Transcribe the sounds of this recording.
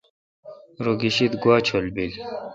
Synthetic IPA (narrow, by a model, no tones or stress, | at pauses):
ɾoɡiɕit̪ɡuwaːt͡ɕʰolbil